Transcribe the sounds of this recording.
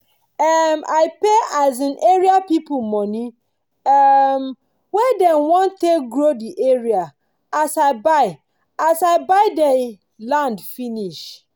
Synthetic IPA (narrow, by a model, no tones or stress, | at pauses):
ɛmaɪpeaɪzɪ̃nʔeɹiapipumɔ̃nĩ | ɛm | wɛdɛ̃nwɔ̃ntʰeɡɾodiʔeɹia | asaɪbaɪ | asaɪbaɪdɛ | lãndfiniʃ